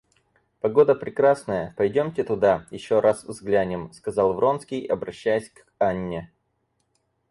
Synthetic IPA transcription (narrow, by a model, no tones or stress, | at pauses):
pɐɡo̞d̪əpɾʲɪkɾasnəjəpɐjdʲomtʲɪt̪ʊd̪ajɪɕːo̞ɾʔasvzɡlʲænʲɪmskɐzɑlˠvɾo̞nskʲɪjɐbɾɐɕːæjɪsʲk | anʲːɪ